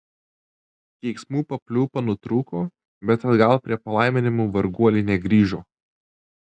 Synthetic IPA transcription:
t̪ʲɛɪksmuːpɐpʲlʲuːpɐnʊt̪ɾuːkoː | bʲɛt̪ɐd̪ɡɐlˠpʲɾʲiɛpɐlˠɑɪmʲɪnʲɪmuːʋɐɾɡuɔlʲɪnʲɛɡɾʲiːʒoː

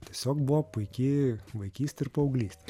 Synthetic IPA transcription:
t̪ʲiɛsʲoːkbʊʋɔpʊɪkʲɪʋɐɪkʲiːsʲt̪ʲɪɾpɐɐʊɡlʲiːsʲt̪ʲɛ̥

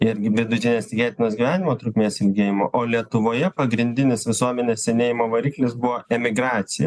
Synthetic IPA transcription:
ɪɾʲɡʲɪʋʲɪd̪ʊt̪ʲɪnʲeːst̪ʲɪɡʲæːt̪ʲɪnoːsɡʲiʋʲæːnʲɪmoːt̪ɾʊkmʲeːsɪlʲɡʲeːjɪmo̰ːʔoːlʲiɛt̪ʊʋoːjɛpɐɡɾʲɪnʲd̪ʲɪnʲɪsʋʲɪsuɔmʲɛnʲeːsʲsʲɛnʲeːjɪmoːʋɐɾʲiːklʲɪsbʊʋoːɛmʲɪɡɾɑːt̪sʲɪjɛ̰

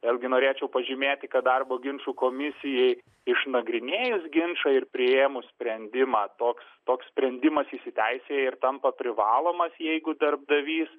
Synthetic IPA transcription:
ʋʲeːlˠʲɡʲɪnoːɾʲeːt͡ʃʲɛʊpɐʒʲɪmʲeːt̪ʲɪkɐt̪̚d̪ɐrboːɡʲɪnʃuːkoːmʲɪsʲɪjɛɪ | ɪʃnɐɡɾʲɪnʲeːjʊsɡʲɪnʃɐɪrpʲɾʲɪeːmʊsʲpʲɾʲɛnʲd̪ʲɪmɑːt̪oːkst̪oːkssʲpʲɾʲɛnʲd̪ʲɪmɐsiʃsʲɪt̪ʲɛɪsʲeːɪrt̪ɐmpɐpʲɾʲɪʋɑːlˠoːmɐsjɛɪɡʊd̪ɐrb̚d̪ɐʋʲiːs

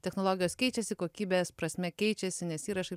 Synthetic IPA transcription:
t̪ʲɛxnoːlˠoːɡʲɪjoːskʲɛɪt͡ʃʲɛsʲɪkoːkʲiːbʲeːspɾɐsʲmʲɛkʲɛɪt͡ʃʲɛsʲɪnʲɛsiːɾɐʃɐɪ

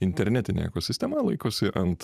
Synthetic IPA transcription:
ɪnʲt̪ʲɛɾʲnʲæːt̪ʲɪnʲḛɛ̰koːsʲɪsʲt̪ʲɛmɐlˠɐɪkoːsʲɪʔɐnt̪

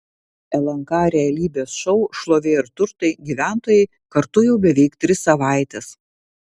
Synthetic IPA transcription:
ɛlˠɐŋkɑːɾʲɛɐlʲiːbʲeːsʃɔʊʃlˠoːʋʲeːɪɾt̪ʊɾt̪ɐɪɡʲiːʋʲæˑnt̪oːjɛɪ | kɐɾt̪ʊjɛʊbʲɛʋʲɛɪkt̪ʲɾʲɪsːɐʋɑˑɪt̪ʲɛs

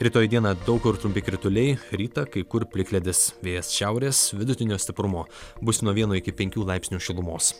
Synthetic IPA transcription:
ɾʲit̪oːjɛd̪iɛnɐd̪ɐʊkʊɪɾt̪ɾʊmʲpʲɪkɾʲɪt̪ʊlʲɛɪɾʲiːt̪ɐkɐɪkʊɾpʲlʲɪkʲlʲɛd̪ʲɪsʋʲeːjɛsʃʲɛʊɾʲeːsʋʲɪd̪ʊt̪ʲɪnʲoːsʲt̪ʲɪpɾʊmoːbʊsʲnuɔʋʲiɛnoːɪkʲɪpʲɛ̃ŋʲkʲuːlˠɐɪpʲsnʲuːʃʲɪlˠʊmoːs

